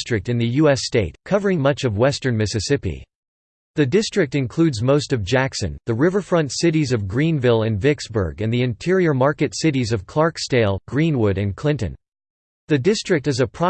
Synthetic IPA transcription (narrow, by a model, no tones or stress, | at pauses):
stɹ̥ɨk̚tɨ̃nðɨjʉɛsteɪt̚kʰʌvə˞ɪ̃ŋmʌt͡ʃʌvwɛstə̃˞nmɪsɨsɪpḭ | ðɨdɪstɹ̥ɨk̚tɨ̃nkʰl̥ʉdzmoʊstʌvd͡ʒæksɨ̰̃nðɨɹɪvə˞fɹʌ̃ntsɪɾizʌvɡɹĩnvɪlˠɨ̃nvɪksb̥ə̰˞ɡɨ̃nðiɨ̃ntʰɪɹiə˞mɑɹkɨtsɪɾizʌv̥kʰl̥ɑɹksteɪlˠɡɹĩnwʊɾɨ̃nkʰl̥ɪ̃ntɨ̰̃n | ðɨdɪstɹ̥ɨk̚tɨzɨpʰɹ̥ɑ